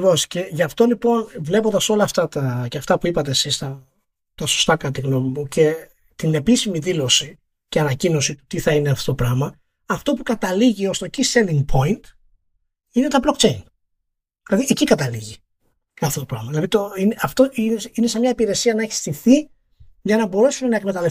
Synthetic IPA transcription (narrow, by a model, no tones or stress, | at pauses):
vo̞sce̞ʝɐft̪o̞lipo̞nvle̞pond̪ɐso̞lɐːft̪ɐt̪ɐceɐft̪ɐpuipɐt̪esist̪ɐ | t̪ɐso̞̥st̪ɐkɐt̪iɣnomimucʰe̞ | t̪ine̞pisimiðilo̞si | ceɐnɐcino̞sit̪u̥t̪iθɐine̞ɐft̪ot̪opɾɐmɐ | ɐft̪o̞pukɐt̪ɐliʝio̞st̪ociseliŋɡpʰo̞int̪ | ine̞t̪ɐblo̞k̚t͡ʃe̞in | ðilɐðiʔecikɐt̪ɐliʝi | kɐfθot̪o̞pɾɐmɐðilɐðit̪oineɐft̪o̞ininesemɲɐipiɾe̞siɐnɐeçi̥st̪iθi | ʝɐnɐbo̞ɾe̞sumenɐekme̞t̪ɐlef